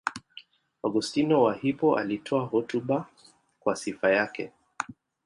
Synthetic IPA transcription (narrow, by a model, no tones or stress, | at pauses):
ɔɡustinɔwahipɔʔa̰litʰɔaɦɔtuɓa | kwasifajakɛ̰